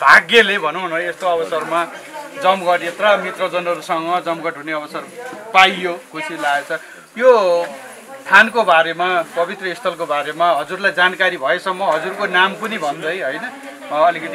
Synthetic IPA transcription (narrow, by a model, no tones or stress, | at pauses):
b̥̪ʱaɡelebʱʌnoɦnoest̪oʌbʌsʌrma | d͡zʌmɡʌʈet̪ramit̪rʌd͡zʌnʌɾusʌŋʌd͡zʌmɡʌʈɦuneʌbʌsʌrpajjokʰusʰilaɡet͡sʰʌ | jo | st̪ʰankobaɾemapʌbit̪rʌist̪ʰʌlkobaɾemaɦʌd͡zurlajd͡zankaɾibʱʌesʌmːʌɦʌd͡zurkonampʌnibʱʌnd̪ʌjɦʌjnʌ | ʌlikʌt̪i